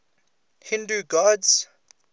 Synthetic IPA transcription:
hɪ̃nduɡɔdz̥

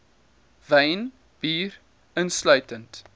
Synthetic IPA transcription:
vɛjn | b̥iːr | ənslœɥtənt

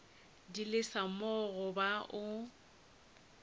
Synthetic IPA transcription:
dilɪsamɔɣʊbaʔʊ

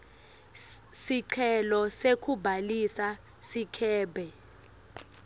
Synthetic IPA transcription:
siǀʰɛlɔsekʰʼubʱalisa | sikʰɛːbɛ

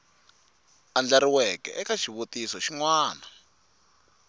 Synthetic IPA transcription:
and͡ɮaɾiwɛkɛ̰ʔɛkaʃiβutisɔʃiŋwaːna

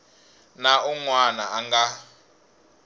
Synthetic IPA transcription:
nauŋwanaːŋɡa

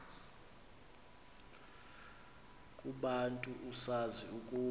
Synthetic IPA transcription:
kʼuɓantʼuʔusaziukʼuː

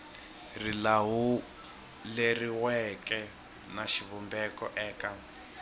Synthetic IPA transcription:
rilaɦu | leriwɛkɛ | naʃiβɔmbɛkɔʔɛːka

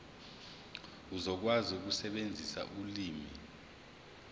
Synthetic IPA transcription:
uzɔk̬wazuk̬usɛɓend͡zʱisa̰ʔuliːmi

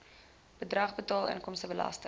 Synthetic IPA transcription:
b̥ədrɐχbətɑːlˠə̰nkɔmstəbəlɐ̰stə

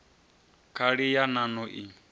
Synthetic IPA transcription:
kʰaɺijananɔʔi

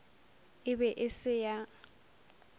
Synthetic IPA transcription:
ɪbɛʔɪsɪja

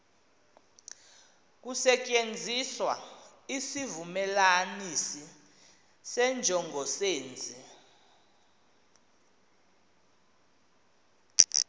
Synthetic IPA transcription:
k̬usɛt͡ʃʼend͡zʱiswa̰ | isivumɛlanisi | sɛnd͡ʒʱɔŋɡʱɔseːnd͡zʱi

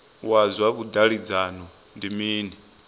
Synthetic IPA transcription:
wazwakud̪aɺid͡zanɔ | ndimiːnɛ

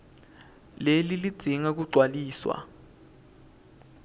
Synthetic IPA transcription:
lelilid̥z̥ʱiŋak̬uɡ͡ǀʱwaliːswa̰

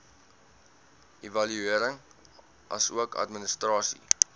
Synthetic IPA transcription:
evɐlyiəɾəŋ | ʔɐ̰suəkɐ̰tmənəstrɑːsḭ

